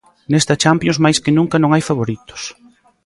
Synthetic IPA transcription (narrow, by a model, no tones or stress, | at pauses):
nest̪ɐt͡ʃampjõŋzmajskɪnũŋkɐnõŋajfaβoɾit̪ʊ̥s